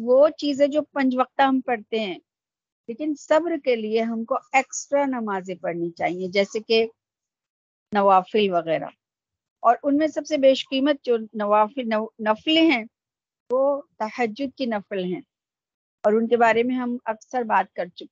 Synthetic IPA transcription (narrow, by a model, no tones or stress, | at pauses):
ʋot͡ʃiːzẽd͡ʒoːpɐ̃ɲd͡ʒʋɐq̚t̪aɦɐmpɐɽt̪eɦɛ̃ː | leːkɪnsɐbɾkelieɦɐmkoeːksʈɾanɐmaːzẽpɐɾnit͡ʃa̰ːɦiẽd͡ʒɛːseke | nɐʋaːfɪlʋɐɣɛːɾa̰ | ɔːɾʔʊnmẽsɐbsebeːʃqiːmət̪̚d͡ʒoːnɐʋaːfɪnɐnɐfleɦɛ̃ | ʋoːt̪ɐhəd͡ʒːʊd̪̚kinɐflɦɛ̃ː | ɔːɾʊnkebaːɾemẽɦɐmɐksəɾbaːt̪̚kɐɾt͡ʃʊk